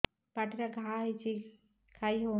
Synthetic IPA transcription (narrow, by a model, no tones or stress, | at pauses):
paʈɾaɡʱait͡ʃi | kʰaiɦo